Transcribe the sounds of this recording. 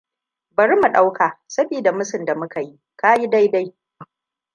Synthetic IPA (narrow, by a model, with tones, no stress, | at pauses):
bɐ˨ɾi˦mu˨ɗa˦wkʰaː˨sɐ˦biː˨da˨mʊ˦sɪ˨nda˨mʊ˦ka˨ji˦ | kaː˦ji˦da˦jda˦j